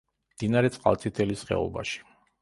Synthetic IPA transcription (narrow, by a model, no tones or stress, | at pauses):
md̪̥inaɾɛt̪sʼqʼa̰lˠt̪sʼit̪ʰɛlisχɛ̰ɔ̰ba̰ʃi̥